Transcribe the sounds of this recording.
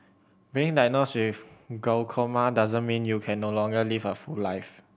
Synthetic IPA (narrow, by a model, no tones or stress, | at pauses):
biĩŋdaj̚noswifɡolkʰomadazə̃nmĩnjukʰɛ̃nːolɔ̃ŋɡəlivəfulaɪf